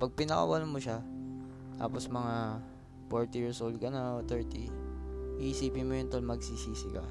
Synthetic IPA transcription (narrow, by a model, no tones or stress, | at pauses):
pɐɡ̚pɪnɐkɐ̰wɐlamoʃa | t̪a̰ːposmɐŋa | foɹt̪ɪjɪɹsʔowld̪̚kɐnaot̪ɛɹt̪i | ʔisiːpɪmojɛnt̪onmɐɡsisiːsɪka̰